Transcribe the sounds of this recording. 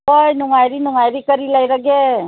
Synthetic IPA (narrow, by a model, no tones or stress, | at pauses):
ojnuŋajɾinʊŋajɾikəɾilaiɾəɡe